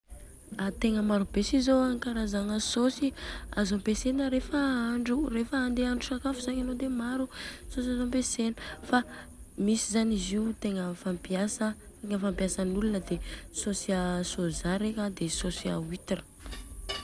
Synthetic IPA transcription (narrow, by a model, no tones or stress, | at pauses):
at̪eŋəmaɾubesizoaŋkaɾazaŋəsosiazompesenəɾefəaɳɖ͡ʐurefəːnd̪eaɳɖ͡ʐusakafuzaɲanod̪emaɾusosazõmpesenəfamisizaniziut̪eŋəfampiasə | t̪eŋəfampjasənulunəd̪esosiasozaɾekad̪esosia̰wit̪rə̥